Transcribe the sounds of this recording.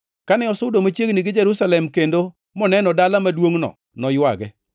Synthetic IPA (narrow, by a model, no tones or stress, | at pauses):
kanɛɔsʊdomat͡ʃjeɡniɡɪd͡ʒeɾusalɛmkendo | mɔnɛnɔdalamadwoŋnɔ̰ | nɔjwaɡɛ